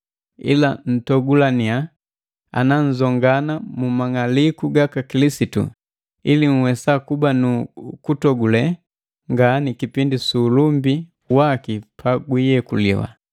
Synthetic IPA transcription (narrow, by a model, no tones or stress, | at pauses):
ḭlan̩tɔɡulania | a̰nan̩zɔŋɡanamumaŋalikuɡakakilisitṵ | iliŋ̩wɛsakubanukutɔɡulɛ | ŋɡanikipindisuːlumbi | wakipʰaɡwijɛkulḭwa̰